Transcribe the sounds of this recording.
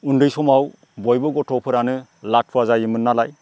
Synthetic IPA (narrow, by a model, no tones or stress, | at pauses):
undɯjsɔmaw | bɔjbɯɡɔtʰɔpʰɯɾanɯ | lat̚pʰuwazajɯmɯnːalaj